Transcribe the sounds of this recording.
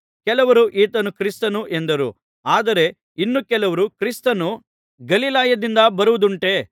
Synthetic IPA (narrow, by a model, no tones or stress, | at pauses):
kɛlɐʋɐɾuʔiːt̪ɐnukɾist̪ɐnuʔend̪ɐɾṵ | aːd̪ɐɾe̞ | inːukɛlɐʋɐɾukɾist̪ɐnu | ɡɐlilaːjɐd̪ind̪ɐbɐɾuʋud̪uɳʈe̞ː